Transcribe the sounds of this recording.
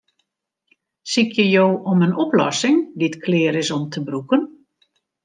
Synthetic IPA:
sikjəjoːʔɔmənɔplɔ̰sɪŋdiətkʰlɪːɾɪsɔmtʰəbrukən

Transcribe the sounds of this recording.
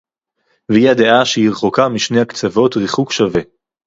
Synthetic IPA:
vehiad̪eaʃeiʁχokamiʃnejhakt͡savo̞tʁiχukʃave

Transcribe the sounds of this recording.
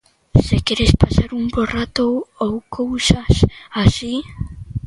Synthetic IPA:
sekeɾespasaɾuŋborat̪oowkʰowsasasi

